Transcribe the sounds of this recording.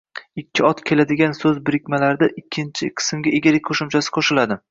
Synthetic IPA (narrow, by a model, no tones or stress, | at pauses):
ɪkʲʰːɪɒt̪kʲʰe̞lad̪ɪɡʲansɵzbɪɾɪkʲmalaɾd̪aʔɪkʲʰːɪnt͡ʃʰɪqʰɨ̥sɪmɡʲaʔeɡʲalɪkʲqʰoʃɪmt͡ʃʰasɪ̥qʰoʃɪlad̪ɪ